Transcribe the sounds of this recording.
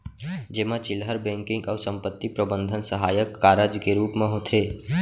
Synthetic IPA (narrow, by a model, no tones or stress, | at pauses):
d͡ʒeːmãt͡ʃɪlɦəɾbɛ̃ŋkɪ̃ŋɡɔːɾsə̃mpət̪ːipɾəbənd̪ʱənsəɦaːjəkːaːɾəd͡ʒkeɾuːpmẽɦot̪ʰe